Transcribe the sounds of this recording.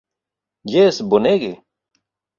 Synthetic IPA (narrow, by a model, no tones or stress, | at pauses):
jeːsbʊneːɡe